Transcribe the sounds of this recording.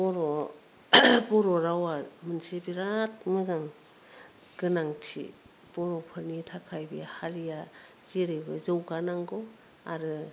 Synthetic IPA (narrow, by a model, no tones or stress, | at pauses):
bɔɾɔ | bɔɾɔɾawamɯnsibiɾat̚mɯzaŋ | ɡ̥ɯnaŋtʰḭ | b̥ɔɾɔpʰɯɾnitʰakʰajbihaɾija | z̥iɾebɯzɯwɡanaŋɡɔ | aɾɯ